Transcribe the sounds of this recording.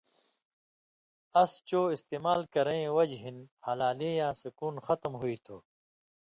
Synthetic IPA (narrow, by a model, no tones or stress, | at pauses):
ɐst͡ɕoːist̪eːmaːlkɐɾẽẽwɐd͡ʑɦinhɐlaːleːjãːsukuːnxɐt̪mɦuit̪ʰoː